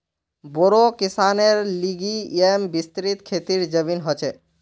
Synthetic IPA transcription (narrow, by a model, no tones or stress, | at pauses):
boɾokisaneɾliɡiembist̪ɾit̪kʰet̪iɾd͡ʒəʋinɦɔt͡ʃʰe